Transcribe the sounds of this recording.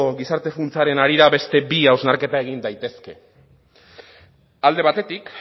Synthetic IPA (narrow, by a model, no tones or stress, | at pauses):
ɣisaɾt̪e̞funt͡saɾe̞naɾiɾaβe̞st̪e̞biawznaɾke̞t̪ae̞ɣ̞ind̪ajt̪e̞ske̞ | ald̪e̞β̞at̪e̞t̪ik